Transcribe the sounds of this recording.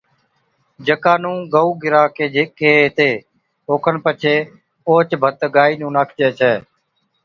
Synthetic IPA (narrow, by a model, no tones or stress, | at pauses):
d͡ʒəkaːnũːɡəuːɡɪɾaːkeːd͡ʒekeːɦt̪eː | oːkʰənpət͡ʃʰeː | oːt͡ʃbʱət̪ɡaːiːnũːnaːkʰt͡ʃeːt͡ʃʰɛː